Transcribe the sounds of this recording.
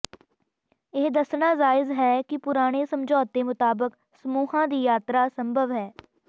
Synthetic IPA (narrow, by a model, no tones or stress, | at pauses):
ɪːd̪əsɳaːzaːɪzɦɛːkɪpʊɾaːɽ̃eːsəmd͡ʒɔːt̪̚ːeːmʊt̪aːbək | səmuːɦãːd̪iːjaːt̪ɾaːsəmbʱəʋɦɛː